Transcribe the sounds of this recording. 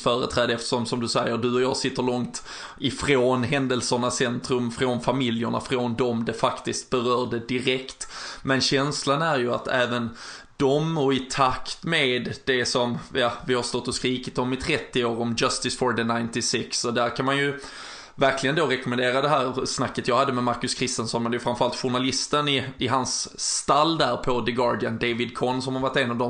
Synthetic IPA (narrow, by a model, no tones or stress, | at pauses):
fœːɾə̰t̪ʰɾɛːd̪əɛft̪ə̥ʂɔmsʂɔmd̪ɵsɛjːəɾɖɵɔjɑːɡsɪt̪ːəɭɔŋt̪ | ɪfɾoːnɦɛnd̪əlsəɳasɛnt̪ɾɵmfɾonfamɪljəɳa̰fɾoːnd̪ɔmd̪ɛfakt̪ɪst̪̚bɛɾœːɖəd̪ɪɾɛkt̪mɛnɕɛnslanæɾjɵa̰t̪æːvən | d̪̥ɔmɔɪt̪ʰakt̪meːd̪d̪ɛsɔmjɑvɪhaɾst̪ɔt̪ːɔskɾiːkɪt̪ɔmɪt̪ʰɾɛt̪ːɪoːɾɔmʌst̪ɪsfɔɾɖ̪ɛnaɪnt̪ɪsɪksɔd̪æɾkʰanmanjɵ | væɾklɪɡənd̪oːɾɛkɔmənd̪eːɾad̪ɛɦæːɾsnakːət̪jɑːhad̪ːəmɛmaɾkɵskʰɾɪst̪ənsɔnmɛnd̪ɛjɵfɾamfœɾalt̪ɧʊɳalɪst̪ənɪɪɦansːt̪alːd̪æɾpʰɔd̪əɡɑːɾɖɪənd̪evɪd̪kʰɔnsɔmhaɾvaʈːenɑvd̪ɔ